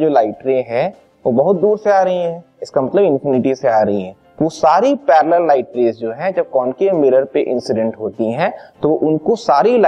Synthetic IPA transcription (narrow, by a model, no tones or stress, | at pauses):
d͡ʒoːlaːɪʈɾĩɦɛ̃ | ʋobɐɦʊt̪̚d̪uːɾseaːɾɐɦiɦɛ̃ | ɪskamɐt̪ləbɪ̃npʰɪnɪʈiseaːɾɐɦiɦɛ̃ː | ʋosaːɾipɛːɾləlːaːɪʈɾizd͡ʒoːɦɛ̃d͡ʒɐb̚kɔ̃ːnkemɪɾəɾpeʔɪ̰̃nsɪɖə̃ɳʈɦoːt̪iɦɛ̃t̪oʋoʔʊnkosaːɾil